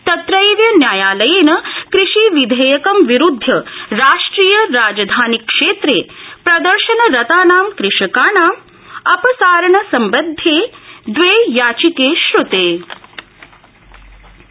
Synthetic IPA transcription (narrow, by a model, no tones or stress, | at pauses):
t̪ɐt̪ɾɐjʋjɐnjaːjaːlɐjenɐkɾɪʃiʋid̪ʱejɐkɐmʋiɾud̪ʱːɐɾaːʂʈɾiːjɐɾaːd͡ʒɐd̪ʱaːnikːʂeːt̪ɾeːpɾɐd̪ɐɾʃɐnɐɾɐt̪aːnaːmkɾɪʃɐkaːnaːm | ɐpɐsaːɾɐɳɐsɐmbɐd̪ʱːjeːd̪ʋeːjaːt͡ʃikeːʃɾut̪eː